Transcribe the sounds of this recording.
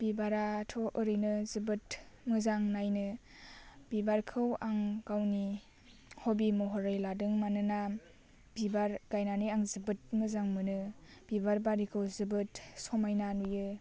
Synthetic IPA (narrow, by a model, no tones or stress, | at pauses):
b̥ibaɾatʰɔʔɯɾɯjnɯzɯbɯtmɯzaŋnajnɯ | b̥ibaɾkʰɯwaŋɡawni | hɔbimɔɦɔɾajladɯŋmanɯna | b̥ibaɾɡajnaniaŋzɯbɯt̚mɯzaŋmɯnɯb̥ibaɾbaɾikʰɯwzɯbɯtsɔmajnanujɯ